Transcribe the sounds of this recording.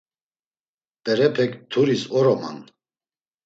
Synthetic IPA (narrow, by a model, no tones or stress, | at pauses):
pɛɾɛpʰɛkt̪ʰuɾisɔɾɔma̰n